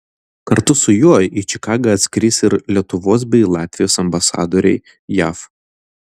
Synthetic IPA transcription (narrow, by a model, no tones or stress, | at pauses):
kɐɾt̪ʊsʊjuːjit͡ʃʲɪkɑːɡɐɐt̪ʲsʲkʲɾʲiːsɪɾlʲiɛt̪ʊʋoːs̬bʲɛɪlˠɑːt̪ʲʋʲɪjoːsɐmbɐsɑ̰ːd̪oːɾʲɛɪ | jæ̰ːf